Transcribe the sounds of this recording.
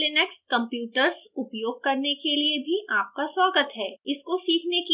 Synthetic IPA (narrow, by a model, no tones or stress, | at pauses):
lɪnɛkskɐ̃mpjuːʈəɾsʊpjoːɡ̚kɐɾnekeliebʱiʔaːp̚kaswaːɡət̪ɦɛːɪskosiːkʰneki